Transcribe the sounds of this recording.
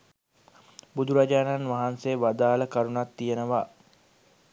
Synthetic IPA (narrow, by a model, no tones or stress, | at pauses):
bud̪uɾad͡ʒaːnanʋaɦanseːʋad̪aːləkaɾunat̪ːijenəʋaː